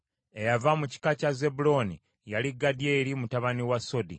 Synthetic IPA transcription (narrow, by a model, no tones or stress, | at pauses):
e̞javamuci̥kacaze̞bulo̞ni | jaliɡːadije̞ːɾimutaβaniwaso̞di